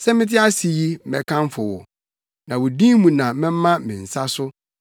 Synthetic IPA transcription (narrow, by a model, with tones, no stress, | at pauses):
sɛ˦mɪ̃˦t̬ʰɪ˦a˦si˨ji˦m̩˦mɛ̰˨kʰã˦m˦fʊ˨wʊ̰˨ | nã˨wʊ˨dĩ˦mũ˨nã˨˦ɪ̃˦m˦mã˦mɪ̃˨n̩˨sa˦sʊ˦